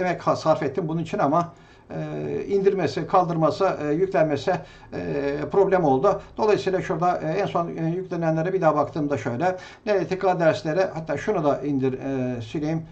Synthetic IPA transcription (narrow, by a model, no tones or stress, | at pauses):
emɛchasaɾfɛt̪ːimbununit͡ʃʰinama | ɯind̪iɾmesikʰalˠd̪ɯɾmasɯjycʲlʲænmesɛ | pɾo̞blʲæmo̞lˠd̪ʊd̪̥o̞lˠajɯsɯjlˠaʃuɾd̪aʔɛnso̞njyclʲeɛnʲeɾɛbid̪aːbakt̪ʰɯːmd̪aʃøjlʲɛ | nɛit̪ʰikaːd̪æɾslʲe̞ɾɛhat̪ːaːʃunud̪aind̪iɾsøjlʲejim